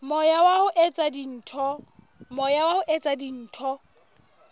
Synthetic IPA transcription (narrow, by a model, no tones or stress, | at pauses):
mɔjawahʊʔet͡sʼadin̩ːtʰɔ | mɔjawahʊʔet͡sʼadin̩ːtʰɔ